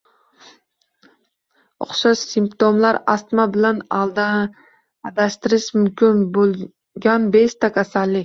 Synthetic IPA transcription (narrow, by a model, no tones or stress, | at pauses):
ʊ̰χʃaʃsɪmpt̪omlaɾast̪mabɪlanalˠd̪aː | d̪aʃt̪ɪɾɪʃmʊmkʲʰɪnbolˠ | ɡʲanbeʃt̪ʰakʲʰasalːɪ